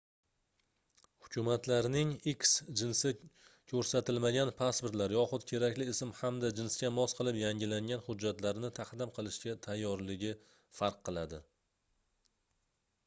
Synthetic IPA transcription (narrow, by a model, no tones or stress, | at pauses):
hʊ̥kʲʰʊmat̪laɾnɪŋɪkʲsd͡ʒɪnsɪkʲʰɵɾsat̪ɪlmaɡʲanpʰaspʊɾt̪laɾjɒχʊd̪kʲʰe̞ɾakʲlɪːsɪmhamd̪ad͡ʒɪnskʲamɒsqʰɨlˠɪpjaŋʲɪlaŋʲanhʊd͡ʒːat̪laɾnɪt̪ʰaqd̪ɪmqʰɨlˠɪʃkʲat̪ʰajːɒɾlɪɡʲɪ | faɾqʰːɨlˠad̪ɪ